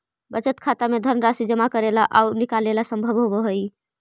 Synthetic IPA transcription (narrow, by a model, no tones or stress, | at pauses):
bət͡ʃət̪kʰat̪amed̪ʱəɾməɾasid͡ʒəmakəɾelaʔaunikalelasəmbʱəbɦoboɦəj